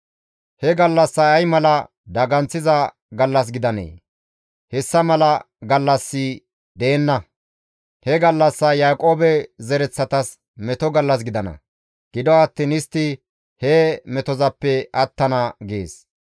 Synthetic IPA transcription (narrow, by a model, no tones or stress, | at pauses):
hɛɡɐlːɐsːɐɐjmɐlɐ | d̪ɐɡɐnt͡sːɪzɐ | ɡɐlːɐs̬ɡɪd̪ɐnḛː | hɛsːɐmɐlɐ | ɡɐlːɐsːɪ | d̪e̞ːnːɐ | hɛɡɐlːɐsːɐjaːkʼo̞ːbɛzɛɾɛt͡sːɐt̪ɐs | mɛt̪ɔɡɐlːɐs̬ɡɪd̪ɐnɐ̰ | ɡ̥ɪd̪ɔɐt̪ːiːnɪst̪ːɪ | hɛmɛt̪ɔzɐpːɛɐt̪ːɐnɐɡḛːs